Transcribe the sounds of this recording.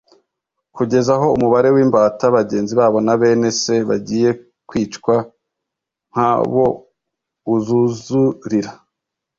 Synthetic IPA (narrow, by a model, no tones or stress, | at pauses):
kuɟe̞zaɦo̞umuβaɾe̞wiːmbaːtaβaɟe̞ːnziβaːβo̞naβe̞ːne̞se̞βa̰ɟiːje̞ | kwiːt͡ʃkwa | ŋ̥ha̰βo̞ | uzuzuɾiɾa